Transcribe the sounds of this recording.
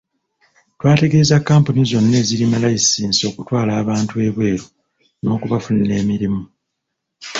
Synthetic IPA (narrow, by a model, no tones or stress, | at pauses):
twaːte̞ɡe̞ːzakːaːmpunizo̞nːe̞ːzilimalajisiːnso̞ːkutwaːlaːβaːntue̞ːβwe̞ːɾo | no̞ːkuβafunine̞ːmiɾimu